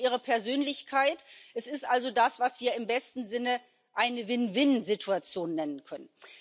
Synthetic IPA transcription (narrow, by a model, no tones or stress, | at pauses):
ʔiːʁ̞əpʰɛɐzøːnlɪçkʰaɪtʔɛsɪstʔalzodasv̥asv̥iːɐɪmbɛstn̩zɪnə | ʔaɪnəvɪnvɪnzɪtʰuat͡sjoːnːɛnənkʰœnən